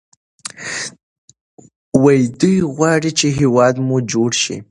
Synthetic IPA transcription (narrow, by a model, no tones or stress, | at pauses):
wajd̪ujɣwɑɽit͡ʃeɦewɑd̪mud͡ʒoɽʃḭ